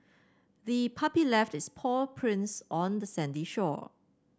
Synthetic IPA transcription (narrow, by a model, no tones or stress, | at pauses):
ðipʰapilɛftɪspʰɔpʰɹɪ̃nsʔɔ̃ndəsɛ̃ndiʃɔ̰